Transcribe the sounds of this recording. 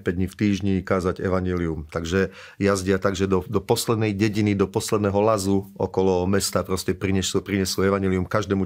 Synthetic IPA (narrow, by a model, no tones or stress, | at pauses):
pɛɟdɲift̪iːʒɲikaːzaɟɛ̰ʋaɲɪɛliumt̪aɡʒɛ | jazɟɪat̪aɡʒɛd̪ɔd̪ɔpɔslɛd̪nɛjɟɛɟinid̪ɔpɔslɛd̪nɛːɦɔlazuɔ̰kɔlɔmɛst̪aːpɾɔscɛpɾiɲɛsupɾiɲɛsuɛʋaɲɛliumkaʒd̪ɛːmu